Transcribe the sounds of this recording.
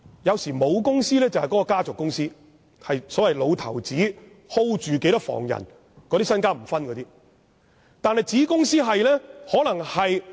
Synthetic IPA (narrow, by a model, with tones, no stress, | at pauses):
jɐ˨˧wsiː˨˩mo˨˧wkʊ˥ŋsiː˥lɛː˥t͡sɐ˨whɐ˨jkɔː˨˧˥kɔː˧kaː˥t͡sʊ˨kːʊ˥ŋsiː˥ | hɐ˨jsɔː˨˥wɐ˨jlo˨˧wt̪ʰɐ̰˨˩wt͡siː˨˥ | ho˥wt͡ʃyː˨ke˨˧˥t̪ɐ˥kfɔ̰ː˨˩ŋjɐ̰˨˩n | kɔː˨˧˥t̪iː˥sɐ˥nkaː˥m̩˨˩fɐ˥nkɔː˨˧t̪iː˥ | t̪aː˨nhɐ˨jt͡siː˨˥kʊ˥ŋsiː˥ɦɐ˨jlɛː˥hɔː˨˥lɐ˨˩ŋhɐ˨j